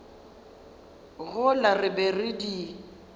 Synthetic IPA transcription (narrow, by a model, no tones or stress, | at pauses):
ɣʊlarɪbɛrɪdi